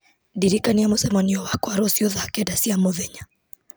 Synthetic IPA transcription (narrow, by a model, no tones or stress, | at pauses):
diɾikaniamosɛmaniɔwakɔaɾɔsiɔðakɛdasiamɔðɛɲa